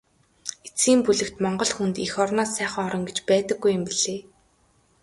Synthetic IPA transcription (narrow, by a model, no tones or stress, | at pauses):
et͡sɡiːmpuɮɘ̆kt̪mɔɴɢɞ̆ɮxunt̪ixɔrnɔːsːæːχə̆ŋɔɾɞ̆ŋɡet͡ɕpæːt̪ə̆ɡːujːʊ̆mpiɮ̥eː